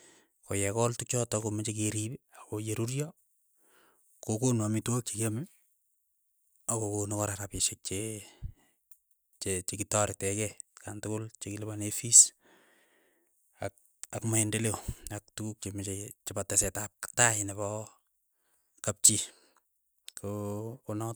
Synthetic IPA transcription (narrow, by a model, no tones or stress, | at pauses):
kojɛkɔltukt͡ʃɔtɔkomet͡ʃek̬eɾibakojeɾuɾjɔ | kokonwamitwok̚t͡ʃekame | akokonokɔɾaɾapɪʃek̚t͡ʃe | t͡ʃet͡ʃekitɔɾɪtɛkɛkantʊkʊlt͡ʃekilɪbanefis | ak | akmaendeleak̚tukuk̚t͡ʃemet͡ʃet͡ʃepatɛsɛtap̚ktaɪneβɔ | kap̚t͡ʃi | kokonɔt̚